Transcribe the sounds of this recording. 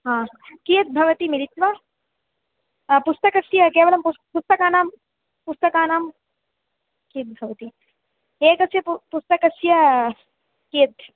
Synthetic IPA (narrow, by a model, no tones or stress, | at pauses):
ɦãː | kijɐt̪̚bʱɐʋɐt̪imiɾit̪ʋa | pʊst̪ɐkɐsjɐkeːʋɐlɐmpupust̪ɐkaːnaːm | pʊst̪ɐkaːnaːm | kijt̪̚bʱɐʋɐt̪i | eːkɐsjɐppust̪ɐkɐsjɐ | kijɐt̪̚